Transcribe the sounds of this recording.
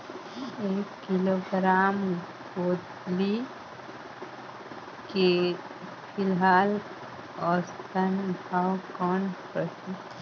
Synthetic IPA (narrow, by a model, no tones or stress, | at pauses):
eːkːɪloɡɾaːm | boːd̪ | li | ke | pʰɪlɦaːl | ɔːɾst̪ənbʱawkɔːnpəsi